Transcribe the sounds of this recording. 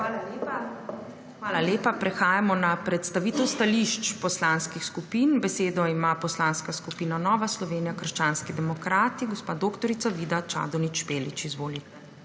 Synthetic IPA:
a | xʋaːlaleːpapɾɛxaːjamɔnapɾɛt̪st̪aʋiːt̪ɛwst̪aliʃt͡ʃpɔslanskixskupiːnbɛseːd̪ɔimapɔslanskaskupiːnanɔːʋaslɔʋeːnijakəɾʃt͡ʃaːnskid̪ɛmɔkɾaːt̪iɡɔspaːd̪oːkt̪ɔɾit̪saʋiːd̪at͡ʃa̰ːd̪ɔnit͡ʃpeːlit͡ʃizʋoːlit̪

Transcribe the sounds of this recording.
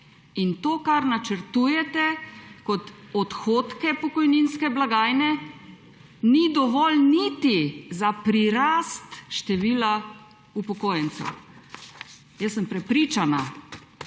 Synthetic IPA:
int̪oːkaɾnat͡ʃəɾt̪uːjɛt̪ɛkɔt̪ɔt̪xoːt̪kɛpɔkɔjninskɛblaɡaːjnɛ | nid̪ɔʋɔlnit̪izapɾiɾast̪ʃt̪ɛʋiːla | upɔkoːjɛnsɛ̰ | jəsːəmpɾɛpɾit͡ʃana̰

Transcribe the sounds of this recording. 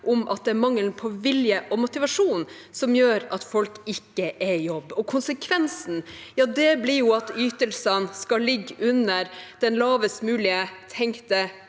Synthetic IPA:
ʔɔmʔɑ̰t̪̚d̪ɛæɾmɑŋːəlnpʰɔʋɪljəʔɔmʊt̪ɪʋɑʂuːn | sɔmjøːɾɑt̪fɔlkɪkːəʔɛjɔbːɔkʰʊnsəkʰʋɛnsn̩jɑːd̪ɛblɪɾjʊɑt̪yːt̪əlsənskɑlɪɡːʉnːəɾd̪̥ɛnlɑːʋəst̪mʉːlɪət̪ʰɛŋkt̪ə

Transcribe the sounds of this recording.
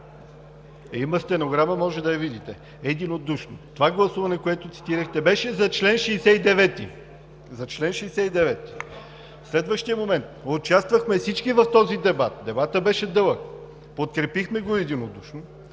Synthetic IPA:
imɐst̪ɛnoɡɾaməmɔʒɛd̪ɐjɐvid̪it̪ɛ | ɛd̪inod̪uʃnot̪ovaɡlˠɐsuvɐnɛkoɛt̪ʊt̪si̥t̪iɾəxt̪ɛbɛʃɛzɐt͡ʃlɛnʃɛisɛid̪ɛvɛt̪i | zɐt͡ʃlɛnʃɛːsɛid̪ɛvɛt̪i̥ | fslɛd̪vəʃt̪ijəmomɛnt̪ot͡ʃast̪vɐxmɛfsit͡ʃkivɐft̪ɔzid̪ɛbat̪̚d̪ɛbat̪əbɛʃɛd̪ɤlˠək | pot̪̚kɾɛpixmɛɡoɛd̪inod̪uʃno

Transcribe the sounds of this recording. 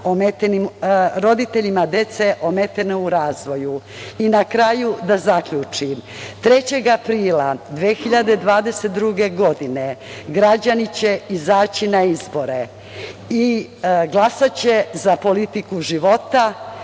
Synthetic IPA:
omet̪enimɾo̞d̪it̪e̞ʎimad̪et̪se̞ʔomet̪enouɾaːzʋo̞ju | inakɾajud̪azakʎut͡ʂimt̪ɾe̞t͡ɕe̞ɡapɾiːlad̪ʋeːxiʎad̪ed̪ʋaːd̪e̞set̪̚d̪ɾuɡe̞ɡo̞d̪ine̞ɡɾad͡ʑanit͡ɕe̞izaːt͡ɕinaizbo̞ɾe | iɡlˠasat͡ɕe̞zapo̞lit̪ikuʒiʋo̞t̪a

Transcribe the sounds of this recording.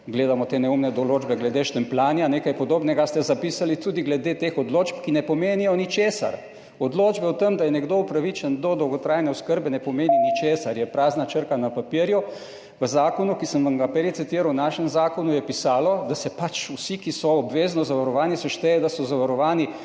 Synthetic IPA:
ɡleːd̪amɔt̪eːnɛumnɛd̪ɔloːd͡ʒbɛɡlɛd̪eʃt̪ɛmplaːnjaneːkajpɔd̪oːbnɛɡast̪ɛzapiːsalit̪uːd̪iɡlɛd̪et̪eːxɔd̪loːt͡ʃpkinɛpɔmeːnijɔnit͡ʃeːsa̰ɾ | ɔd̪loːd͡ʒbɛwt̪əmd̪ajɛnɛɡd̪oupɾaʋit͡ʃənd̪ɔd̪ɔwɡɔt̪ɾaːjnɛɔskəɾbɛnɛpɔmeːninit͡ʃeːsaɾjɛpɾaːznat͡ʃəɾkanapapiəɾju | ʋəzaːkɔnukisəmʋamɡapɛɾit̪sit̪iːɾawnaːʃɛmzaːkɔnujɛpisaːlɔd̪asɛpat͡ʃusikisɔːbʋeznɔzaʋaɾɔʋaːnisɔʃt̪ɛjɛd̪asɔzaʋaɾɔʋaːni

